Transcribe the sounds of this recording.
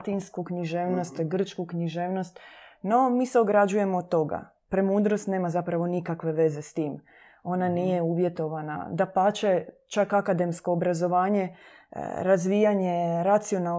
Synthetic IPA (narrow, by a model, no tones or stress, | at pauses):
t̪inskukɲiʒeːʋno̞st̪ɡr̩t͡ʃkukɲiʒeːʋno̞st̪no̞miːseo̞ɡɾad͡ʒuje̞moːt̪ːo̞ɡa̰ | pɾemuːd̪ɾost̪ne̞ːmazapɾaʋo̞nikakʋe̞ʋe̞ze̞st̪iːm | o̞naniːje̞uːʋjet̪o̞ʋana̰d̪apat͡ʃe | t͡ʃakakad̪e̞msko̞ːbɾazo̞ʋaːɲe̞̰ | ɾazʋijaɲe̞ɾat̪sio̞na